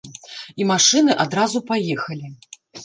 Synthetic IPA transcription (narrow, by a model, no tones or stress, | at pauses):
imaʂɨnɨʔad̪ɾazupajɛxɐlʲi